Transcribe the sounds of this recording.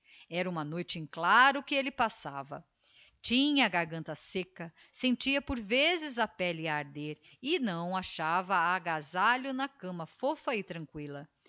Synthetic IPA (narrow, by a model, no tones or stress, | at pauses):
ɛɾɐũmɐnojt͡ʃɪĩklaɾʊkɪelɪpasavɐ̰ | t͡ʃĩɲɐːɡaɾɡɐ̃nt̪ɐsekɐ | sẽnt͡ʃiɐpoɾvezɪzɐpɛlɪaɾd̪eɾ | ɪnɐ̃w̃aʃavɐaɡazaʎʊnɐkɐ̃mɐfofɐɪt̪ɾɐ̃ŋkwilɐ